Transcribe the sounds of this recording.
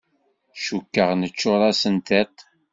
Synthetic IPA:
ʃukːəʁnət͡ʃːʊɾˤɑsənt̪et̪

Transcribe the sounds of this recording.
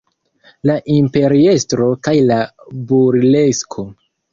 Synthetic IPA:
laʔimpe̞ɾie̞stɾo̞kajlabuɾle̞skʰo̞

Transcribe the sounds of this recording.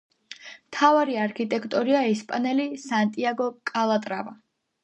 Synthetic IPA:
mt̪ʰavaɾiaɾkʰit̪ʼɛkʰt̪ʼɔɾiaɛspʼanɛlisant̪ʼiaɡɔkʼalˠat̪ʼɾa̰va

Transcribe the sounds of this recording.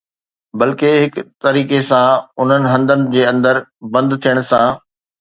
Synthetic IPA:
bɐlkeɦɪkt̪ɐɾiːkesãʊn̤ənɪ̆ɦɐ̃nd̪ənɪ̆d͡ʑeːɐ̃nd̪əɾbɐ̃nd̪t̪ʰijəɽ̃sã

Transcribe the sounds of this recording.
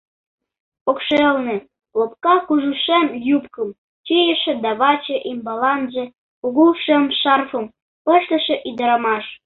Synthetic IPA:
okʃelne | lop̚kɑkuʒuʃemjupkəm | t͡ɕijə̆ʃĕd̪ɑβɑt͡ɕeʔimbɑlɑnʒĕ | uɣuʃə̆mʃɑrfəm | pəʃlə̆ʃĕʔid̪əɾɑmɑʃ

